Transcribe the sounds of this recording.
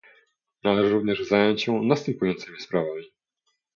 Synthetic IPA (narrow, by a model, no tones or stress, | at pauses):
nalɛʐɛɾuvɲɛʐzajɔɲt͡ɕɕɛnast̪ɛmpujɔnt̪sɘmʲispɾavamʲi